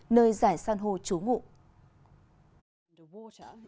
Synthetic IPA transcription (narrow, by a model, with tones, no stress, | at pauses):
nəː˧jzaː˧˩jsaː˧nɦo˧t͡ɕu˨˦ŋṵ˧˨ʔ